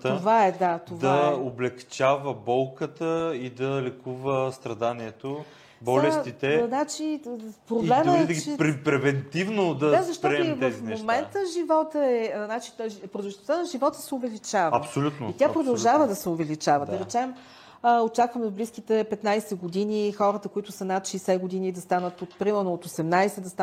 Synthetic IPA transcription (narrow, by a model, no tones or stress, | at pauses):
ovaɛd̪at̪ovd̪aɐoblɛkt͡ʃavəbɔlˠkət̪əid̪ɐlɛkuvəst̪ɾɐd̪aniɛt̪o | bɔlɛst̪it̪ɛznat͡ʃipɾoblɛməɛd̪əɡit͡ʃɛɾpɾɛvɛnt̪ivnod̪ɐd̪azɐʃt̪ɔɾɛivt̪ɛzfimnomɛnt̪əʒivɔt̪əɛnat͡ʃi̥pɾod̪ʒnost̪anɐʒivɔt̪ə̥sɛovɛlit͡ʃavɐ̰psolʲut̪noit̪ʲjapɾod̪ɐlˠʒavəd̪ɐsɛovɛlit͡ʃavəd̪ɐɾɛt͡ʃɛm | əot͡ʃakvəmɛvbliskit̪ɛpɛt̪najsɛɡod̪inixɔɾət̪əkoit̪ʊsənat̪ʃɛjsɛɡod̪inid̪ɐst̪anət̪ot̪pɾimɛɾnoːt̪osɛmnajsɛd̪ɐst̪a